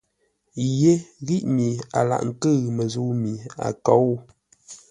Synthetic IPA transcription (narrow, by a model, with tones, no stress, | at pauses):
je˦ɣi˦ʔmi˨a̰˨la̰˨ʔŋ̩˨kə˦˨mə˨zu˦mi˨a̰˨kɔ˨˦